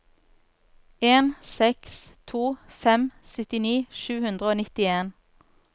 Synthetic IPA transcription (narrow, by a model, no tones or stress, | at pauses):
eːnsɛkst̪ʰuːfɛmsʏt̪ɪniːʃʉːhʉnd̪ʁəoːnɪt̪ɪeːn